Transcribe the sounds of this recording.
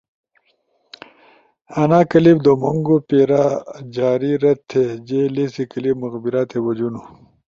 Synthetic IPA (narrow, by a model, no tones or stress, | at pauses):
ɐnaːkɐlibd̪omuŋɡopeːɾad͡ʑaːɾiɾɐt̚t̪ʰːed͡ʑelesikɐlibmuɣbiɾat̪ʰebɐd͡ʑunu